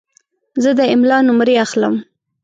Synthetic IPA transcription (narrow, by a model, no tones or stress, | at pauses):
zəd̪əɪmlɑnʊmɾeaxləm